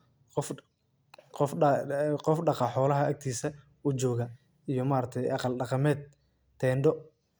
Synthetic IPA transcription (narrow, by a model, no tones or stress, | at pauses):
qf | qɔfqɔfɖɑqɑħɔːlɐɦɐɐɡ̚t̪ʰiːsɐ | ut͡ʃɔːɣɐ | ijɞmaːɾɐk̚t̪ʰɛjʔɑqɑlɖɑqɑmɛːd̪̚ | t̪ʰɛːɳɖɔ